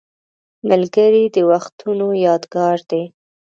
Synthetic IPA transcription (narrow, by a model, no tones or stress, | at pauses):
məlɡəɾid̪əwaxt̪ʰunojɑd̪ɡɑɾd̪e